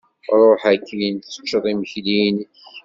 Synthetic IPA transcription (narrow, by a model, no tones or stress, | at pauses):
ɾˤoħækːint͡sːə̥t͡ʃːəðˤiməçlinç